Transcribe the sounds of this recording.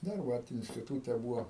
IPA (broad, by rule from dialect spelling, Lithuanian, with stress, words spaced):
ˈdɐr ˈʋɐt ɪnʲsʲtʲɪˈtuːtʲɛ ˈbuːʋoː